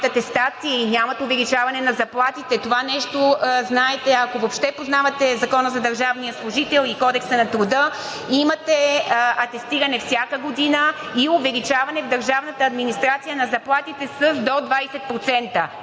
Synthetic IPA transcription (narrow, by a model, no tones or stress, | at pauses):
t̪ɐt̪ɛst̪at̪siinʲjamɐt̪ovɛlit͡ʃavɐnɛnɐzɐplˠat̪it̪ɛt̪ovanɛʃt̪oznaɛt̪ɛɐkovopʃt̪ɛpoznavɐt̪ɛzɐkɔnəzɐd̪ɐɾʒavnijəslˠʊʒit̪ɛlˠikɔd̪ɛksənɐt̪ɾʊd̪ə | imɐt̪ɛɐt̪ɛst̪iɾɐnɛfsʲjakəɡod̪inəiovɛlit͡ʃavɐnɛvd̪ɐɾʒavnət̪əːd̪minist̪ɾat̪sijənɐzɐplˠat̪it̪ɛsəzd̪od̪vajsɛt̪̚pɾot̪sɛnt̪ə